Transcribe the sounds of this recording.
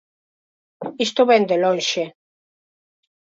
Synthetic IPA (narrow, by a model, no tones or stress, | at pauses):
ist̪oβɛnd̪elõnʃe